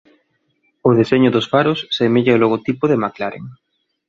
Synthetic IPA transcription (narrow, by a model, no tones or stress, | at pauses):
ʊðeseɲʊðʊsfaɾʊsːemeʎaoloɣ̞ot̪ipʊðemaklaɾḛŋ